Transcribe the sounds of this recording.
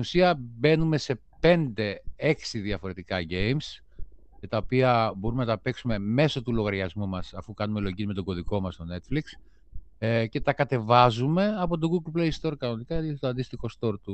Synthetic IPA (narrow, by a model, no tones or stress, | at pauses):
t̪inusiɐbe̞nume̞se̞ | pe̞nd̪e̞e̞ksiðiɐfo̞ɾe̞t̪ikɐʝe̞jms | met̪ɐo̞piɐbo̞ɾumenɐt̪ɐpe̞ksume̞me̞so̞t̪ulo̞ɣɐɾʝɐzmumɐsɐfukɐnumelo̞ʝizme̞t̪o̞ɡo̞ðiko̞mɐst̪o̞ne̞t̪fliks | ce̞t̪ɐkɐt̪e̞vɐzume̞ɐpo̞t̪̬o̞ɣuɡlplejst̪o̞ɾkɐno̞nikɐt̪oɐnd̪ist̪ixo̞st̪o̞ɾt̪u